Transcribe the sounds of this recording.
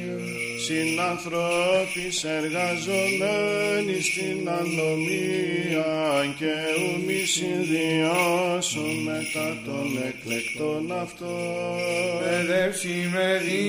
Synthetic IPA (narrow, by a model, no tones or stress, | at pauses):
sinɐnθɾopise̞ɾɣɐzo̞menist̪inɐnomiɐɲceumisinðiosonme̞t̪ɐt̪o̞neklekt̪onɐft̪o | eðefsimeði